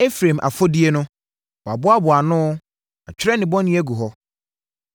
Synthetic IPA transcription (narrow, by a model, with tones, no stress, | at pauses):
e˦fɾẽ˨mʔa̰˨fɔ˦di˦e˦nʊ̃˦ | ba˨bʊ˦a˦bʊ˨a˨nʊ̃˦ | a̰˨t͡ɕᶣɪ˦ɾɛ˦nɪ̃˨bɔ̃˦nɪ̃˦ɛ˦ɡu˨ɦɔ˦